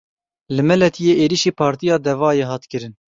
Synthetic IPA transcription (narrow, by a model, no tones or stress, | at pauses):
lɨmɛlɛt̪ʰijeːʔeːɾiʃiːpʰɑːɾt̪ijɑːd̪ɛvɑːjeːɦɑːt̪kɨɾɨn